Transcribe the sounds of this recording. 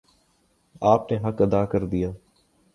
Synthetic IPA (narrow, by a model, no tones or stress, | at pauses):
aːpneːɦəkəd̪aːkəɾd̪ɪjaː